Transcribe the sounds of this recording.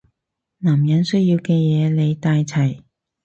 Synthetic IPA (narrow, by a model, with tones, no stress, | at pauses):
naː˨˩mjɐ˨˥nsɵ˥jiː˧wkɛː˧jɛː˨˧le˨˧jt̪aː˧jt͡sʰɐ˨˩j